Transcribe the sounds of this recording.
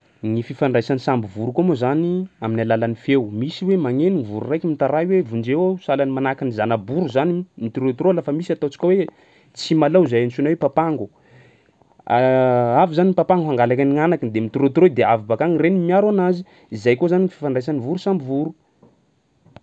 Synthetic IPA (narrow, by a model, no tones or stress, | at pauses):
ŋififaɳɖ͡ʐajsanisambivuɾukomozaniaminalalanifewmisiwemaŋeniŋivuɾurajkʲimit̪aɾajiwevund͡ʒewosalanimanakinizanabuɾuzanimit̪iɾot̪rolafəmisiat̪owt͡si̥kʲawe | t͡simalazajansunawepapaŋɡu | aavizaniipapaŋɡuɦaŋɡalakaniŋanakind̪emit̪iɾot̪ɾod̪eavibakaŋirenimiaɾanazi | izajkozaniŋifi̥faɳɖ͡ʐajs̬anivuɾusambivuɾu